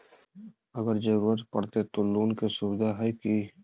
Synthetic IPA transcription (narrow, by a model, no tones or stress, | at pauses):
əɡəɾd͡ʒəɾuːɾət̪pɐɽt̪et̪oluːnkesʊbɪd̪ʱaɦɛki